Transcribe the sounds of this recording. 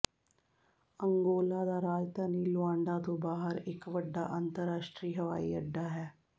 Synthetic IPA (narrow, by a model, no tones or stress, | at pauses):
əŋɡoːlaːd̪aːɾaːd͡ʒt̪aːniːlʊãːɳɖaːt̪õːbaːɦəɾɪkʋəɖːa̰ːʔənt̪əɾːaːʃʈɾiːɦəʋa̰ːḭːəɖːaːɦɛː